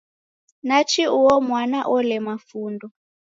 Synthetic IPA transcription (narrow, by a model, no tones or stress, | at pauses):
nat͡ʃʰiuwɔmwanaʔɔlɛmafuːndɔ